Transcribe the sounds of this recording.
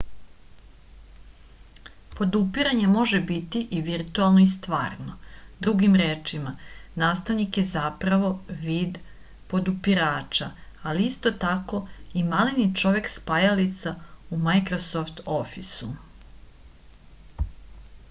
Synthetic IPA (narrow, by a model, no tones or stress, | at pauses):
po̞d̪upiɾaɲe̞mo̞ʒebit̪iʔiʋiɾt̪ualˠnoist̪ʋaːɾno̞d̪ɾuɡimɾeːt͡ʃimanaːst̪aʋnikje̞zapɾaʋo̞ʋiːd̪ | po̞d̪upiɾaːt͡ʂaaliist̪o̞t̪ako̞imalinit͡ʃo̞ʋe̞kspajalit̪saumajkɾosoft̪ofisu